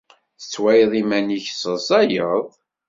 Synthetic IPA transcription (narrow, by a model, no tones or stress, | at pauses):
θət͡sːwæjðˤimæniçsəsˤæjəðˤ